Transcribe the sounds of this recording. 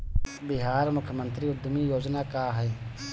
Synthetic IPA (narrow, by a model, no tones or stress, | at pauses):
bɪɦaːɾmʊkʰːjəmənt̪ɾiːʊd̪ʱmiːjoːd͡ʒnaːkaːɦɛː